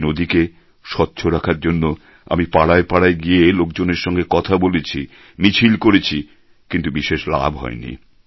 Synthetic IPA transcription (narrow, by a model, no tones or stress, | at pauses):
nod̪ike | ʃɔtːɕʰoɾakʰaɾd͡ʑonːo | a̰mipaɽaepaɽaeɡielokd͡ʑoneɾʃɔŋɡekɔt̪ʰabolet͡ɕʰi | mit͡ɕʰilkoɾet͡ɕʰi | kint̪ubiʃeʃla̰bʱɦɔ̰enḭ